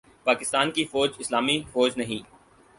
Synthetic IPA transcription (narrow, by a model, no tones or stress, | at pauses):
paːkɪst̪aːnkifoːd͡ʒɪslaːmifoːd͡ʒnɐɦĩː